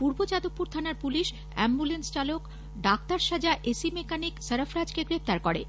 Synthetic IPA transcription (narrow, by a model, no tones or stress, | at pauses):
puɾbod͡ʑad̪opːuɾt̪ʰanaɾpuliʃ | ɛmbulenst͡ɕalok | ɖakt̪aɾʃad͡ʑaʔesimekanikseɾafɾad͡ʑkeɡɾep̚t̪aɾkoɾe